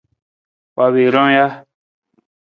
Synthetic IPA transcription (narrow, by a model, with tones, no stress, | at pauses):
wa˨βe˨ɾɔ̃˦ja˦